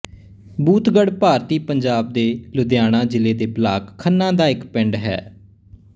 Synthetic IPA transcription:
buːt̪ɡəɽpaːɾt̪iːpəɲd͡ʒaːb̚d̪eːlʊd̪jaːɽ̃ãːd͡ʒɪleːd̪eːblaːkʰːənːãːd̪aːɪkpɪ̃ɳɖɦɛ̰ː

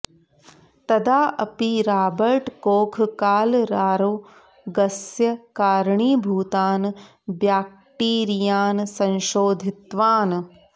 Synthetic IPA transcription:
t̪ɐd̪aːʔɐpiɾaːbəɾʈkoːkʰkaːlɾaːɾoː | ɡɐsjɐkaːɾɳiːbʱuːt̪aːn | bjaːk̚ | ʈiːɾijaːnsɐ̃nʃoːd̪ʱɪt̪ʋaːn

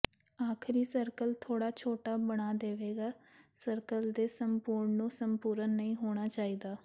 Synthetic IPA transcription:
aːkʰɪɾiːsəɾkəlt̪ʰoːɽaːt͡ʃʰoːʈaːbəɽaːd̪eːʋeːɡaːsəɾkəld̪eːsəmpuːɾɳnũːsəmpuːɾənːəĩːɦoːɽ̃aːt͡ʃaːiːd̪aː

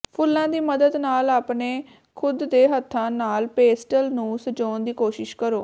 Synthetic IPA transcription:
pʰʊlːãːd̪iːməd̪əd̪naːlaːpneː | kʰʊd̪ːeːɦət̪ʰːãːnaːlpeːsʈəlnũːsəd͡ʒoːnd̪iːkoːʃɪʃkəɾoː

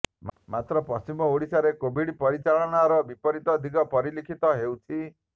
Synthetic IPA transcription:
mmat̪ɾɔpɔst͡ʃimɔoɽisaɾekobʱiɽpɔɾit͡ʃalɔnaɾɔbipɔɾit̪ɔd̪ʱiɡɔpɔɾilikʰit̪ɔɦewt̪ʰi

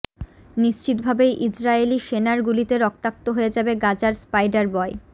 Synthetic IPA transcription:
niʃt͡ɕit̪bʱabejʔid͡ʑɾaeliʃenaɾɡulit̪eɾɔk̚t̪ak̚t̪oɦoed͡ʑabeɡad͡ʑaɾspajɖaɾbɔe

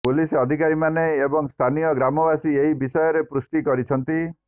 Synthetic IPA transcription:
pulisɔd̪ʱikaɾimaneːbɔŋst̪ʰanijɔɡɾamɔbasieɦibisɔjɔɾepɾusʈikɔɾit͡ʃʰɔnt̪i

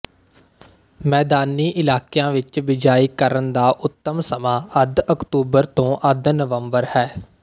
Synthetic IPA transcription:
mɛːd̪aːniːʔɪlaːkjãːʋɪt͡ʃʋɪd͡ʒaːiːkəɾənd̪aːʔʊt̪ːəmsəmãːəd̪əkt̪uːbəɾt̪õːʔəd̪nəʋəmbəɾhɛː

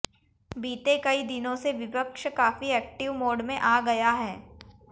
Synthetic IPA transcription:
biːt̪ekɐid̪ɪnõseʋɪpəkʃkaːfiɛːk̚ʈɪʋmoːɖmẽʔaːɡɐjaɦɛː

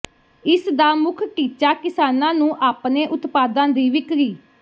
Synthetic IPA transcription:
ɪsd̪aːmʊkʰʈiːt͡ʃaːkɪsaːnãːnũːʔaːpneːʔʊt̪paːd̪ãːd̪iːʋɪkɾiː

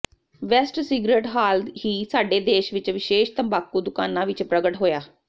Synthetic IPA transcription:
ʋɛːsʈsiːɡɾeːʈɦaːld̪ɦiːsaːɖeːd̪eːʃʋɪt͡ʃʋɪʃeːʃt̪əmbaːkũːd̪ʊkaːnːãːʋɪt͡ʃpɾəɡəʈɦoːjaː

